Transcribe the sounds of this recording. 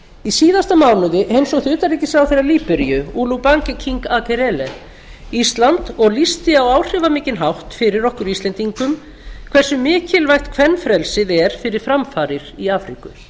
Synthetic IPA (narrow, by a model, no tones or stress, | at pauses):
isiːðast̪amawnʏðɪʔejnsɔɣθʏt̪aɾicːɪsawθejɾaɾliːpɪɾijʏuːluwpaŋcɪcʰiŋkakɛɾɛlɛ | ist̪lant̪ɔɣlist̪ɪawaːwr̥ɪvamɪːcɪnɦawht̪fɪɾɪɾɔhkʏɾist̪lɛnt̪iŋkʏm | kʰv̥ɛrsʏmɪːcɪlvajxt̪kʰv̥ɛnːfɾɛlsɪðɛɾ̥fɪɾɪɾ̥fɾamfaːɾɪɾ̥iaːfɾikʏ̰